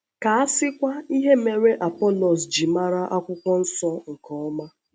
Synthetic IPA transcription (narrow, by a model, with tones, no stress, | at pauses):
ka˨a˦sɪ˦kʷa˦i˦ɦe˦me˨ɾe˦ʔa˨pɔ˦lɔ˨s̬d͡ʒi˨ma˦ɾa˦ʔa˦kʷʊ˦kʷɔ˦n̩˦sɔ˦ŋ̩˨kɔ˨ɔ˦ma˦